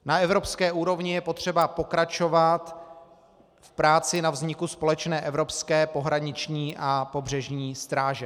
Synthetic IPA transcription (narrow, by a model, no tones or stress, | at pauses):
naɛvɾo̞pskɛːʔuːɾo̞vɲɪjɛpo̞t̪r̝̥ɛbapo̞kɾat͡ʃo̞vat̪ | fpɾaːt͡sɪnavzɲɪkuspo̞lɛt͡ʃnɛːʔɛvɾo̞pskɛːpo̞ɦɾaɲɪt͡ʃɲiːʔapo̞br̝ɛʒɲiːst̪ɾaːʒɛ